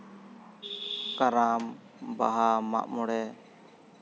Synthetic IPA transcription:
kaɾam | ba̰ɦama̰ʔmɔɽɛ

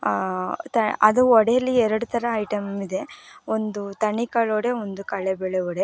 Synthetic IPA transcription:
t̪ɐɐd̪uɔɽejɐlːiɛɾɐɽut̪ʰɐɾɐːjʈɐmid̪e̞ond̪ut̪ɐɳikɐɭoɽe̞ond̪ukɐɭebɛɭeɔɽe

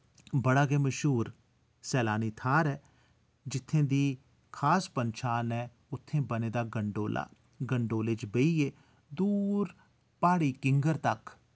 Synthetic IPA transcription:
bəɽaːɡeːməʃɦuːɾ | sɛːlaːniːt̪ʰaːɾɛː | d͡ʒɪt̪ʰːẽːd̪iː | kʰaːspənʃaːnɛː | ʊt̪ʰːẽːbəneːd̪aːɡəɳɖoːla̰ː | ɡəɳɖoːlet͡ʃbeiːeː | d̪uːɾ | paːɽiːkɪŋɡəɾt̪ɐk

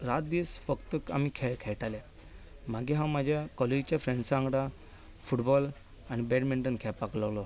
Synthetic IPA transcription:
ɾat̪̚d̪isfəkt̪əka̰mikʰɛɭkʰɛɭʈalɛ | m̤aɡiɦãwmad͡ʑʱjakɔled͡ʑt͡ɕjafɾẽɳɖsãŋɡɽa | fuʈbɔl | añibɛʈmiɳʈənkʰɛpakləwlɔ

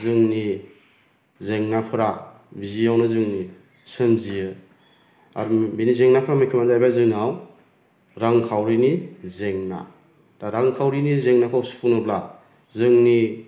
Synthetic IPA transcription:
zɯŋni | zeŋnapʰɯɾa | bizijawnɯzɯŋni | sɯnzijɯ | a̰ɾbinizeŋnapʰɯɾamɯjkʰɯmazajbajzɯŋnaw | ɾaŋkʰawɾinizeŋna̰ | taɾaŋkʰawɾinizeŋnakʰɯwspunɯpla | zɯŋni

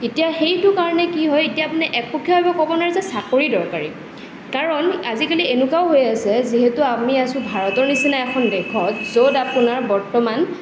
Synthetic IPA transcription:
etijaxejtʊkaɹɔnɛkiɦɔjetijaːpunɛʔɛk̚pɔkʰːjɔɦojbɔkɔbɔnaɹɛzɛsakoɹidɔɹkaɹi | kaɹɔnazikalienukawɦojasɛziɦetʊamiasʊ̃bʱaɹɔtɔɹnisinaɛkʰɔndɛkʰɔtzodapunaɹbɔɹtɔman

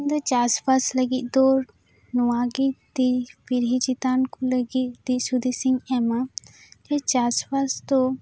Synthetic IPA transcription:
nd̪ət͡ʃaspasləɡit̪̚d̪ɔːɾ | nuaɡid̪ipiɾɦit͡ʃit̪ankuləɡit̪̚d̪isud̪isiŋɛma | d͡ʒɛt͡ʃaspast̪ɔ

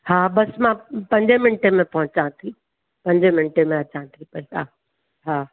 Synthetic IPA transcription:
haːbɐsmãpɐ̃ɲd͡ʑemɪnʈemẽpɐɦʊ̃t͡ɕãt̪ʰi | pɐ̃ɲd͡ʑemɪnʈemẽɐt͡ɕãt̪ʰipɐiaː | ɦaː

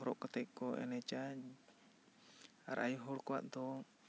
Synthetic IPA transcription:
ɔɾɔʔkɔt̪ɛʔkɔʔɛ̰nɛt͡ʃa | a̰ɾa̰juɦɔɽkɔwa̰ʔd̪ɔ

